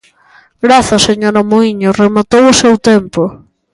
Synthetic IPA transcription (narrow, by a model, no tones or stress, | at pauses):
ɡɾaθaseɲoɾamoiɲʊremat̪owʊsewt̪ɛmpo